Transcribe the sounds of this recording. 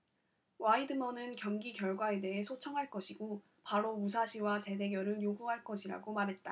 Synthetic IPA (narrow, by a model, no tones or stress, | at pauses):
waidɯmʌnɯnkjʌŋɡikjʌɭɡwae̞de̞ɦe̞sʰot͡ɕʰʌŋɦaɭk͈ʌɕʰiɡo | paɾomus̬ʰaɕʰiwat͡ɕe̞de̞ɡjʌɾɯɭjoɡuɦaɭk͈ʌɕʰiɾa̰ɡomaɾɦe̞t̚t͈a